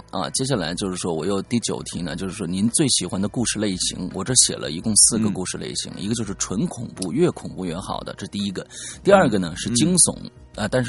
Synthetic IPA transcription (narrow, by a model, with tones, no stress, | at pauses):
ɐ̰˧t͡ɕjɛ˥ɕ̬a˥˩la̰˧˥ɪt͡ɕjo˥˧ʊʂɻ̩˥˩ʂwɔ˥wɔ˨˩jo˥˧ʊt̪i˥˩t͡ɕjo̰˨˩ʊt̪ʰi˧˥nə˧t͡ɕjo˥˧ʂɻ̩˥˩ʂwɔ˥ni˧˥nt͡swe˥˩ɪɕi˨˩xwa˥nd̪ə˧ku˥˧ʂɻ̩˥˧le˥˩ɪɕḭ˧˥ŋwɔ˨˩ʈ͡ʂɤ˥˩ɕjɛ̰˨˩lʔə̰˦i˧˥kʊ˥˧ŋsɹ̩˥˩ɡə˩ku˥˧ʂɻ̩˥˧lḛ˥˩ɪɕḭ˧˥ŋḭ˧˥ɡə˧t͡ɕjo˥˧ʂɻ̩˥ʈ͡ʂʰwə˧˥nkʰʊ˨˩ŋpu˥˧ɥɛ˥˩kʰʊ˨˩ŋpu˥˧ɥɛ˧˥xɑ̰˨˩ʊd̪ə̰˦ʈ͡ʂɤ˥˧t̪i˥˩i˥ɡə˧t̪i˥˧ɐ˞˥˩ɡə˩nə˩ʂɻ̩˥˩t͡ɕi˥ŋsʊ̰˧˩˥ŋ | ə˧t̪a˥˧nʂ̬